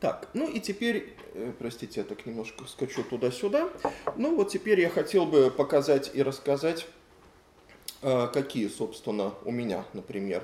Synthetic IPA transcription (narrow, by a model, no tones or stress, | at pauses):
t̪a̰knuitʲɪpʲeɾʲ | əpɾɐsʲtʲitʲɪjat̪aknʲɪmno̞ʂkəskɐt͡ɕut̪ʊd̪asʲʊd̪anuvot̪̚tʲɪpʲeɾʲjaxɐtʲe̞lˠbɨpəkɐzatʲiɾəskɐzatʲ | əkɐkʲijəso̞pst̪vʲɪnːəʊmʲɪnʲa̰nəpɾʲɪmʲe̞̰r